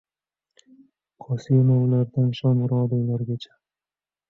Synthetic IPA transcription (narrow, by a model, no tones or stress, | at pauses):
qʰɒsimowlaɾd̪anʃɒmɾɒd̪awlaɾɡʲat͡ʃʰḁ